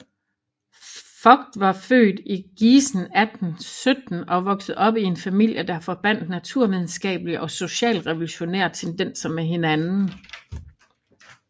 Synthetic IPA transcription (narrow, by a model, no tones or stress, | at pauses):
fɒ̽ɡ̥̚d̥ʋɑ̈fø̰ːd̥iɡ̥iːsn̩æd̥n̩sød̥n̩ɒ̽ʋɒ̽ɡ̥sð̩ˠɒ̽b̥ie̝nfæmil̰jəd̥ɑ̈fɒ̽b̥æn̰d̥næt͡sʰuɐ̰ʋið̞ˠn̩sɡ̥ɛ̰ːb̥əliʔɒ̽so̝ɕɛ̰ːlʁɛʋo̝luɕo̝neɐ̰t͡sʰend̥en̰sɐmeɦe̝nænn̩